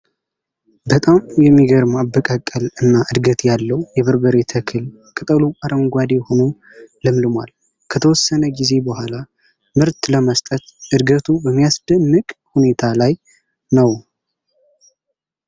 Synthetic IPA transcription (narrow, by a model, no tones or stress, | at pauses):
bət̪ʼamjɛmːiɡəɾmabːəkʼakʼːəlɨnːaʔɨd̪ɡət̪jalːəwjɛβɨɾbəɾet̪ʰəkʰɨl | kʼɨt̪ʼəluaɾəŋɡʷad̪eho̞nom | ləmlɨmwa̰l | kʰət̪ʰəwɔsːənəɡize̞bəhʷala | mɨɾt̪ləməst̪ʼət̪ʔɨd̪ɡət̪ʰubəmːijasd̪ənːɨkʼhune̞t̪ʰalaj | nəw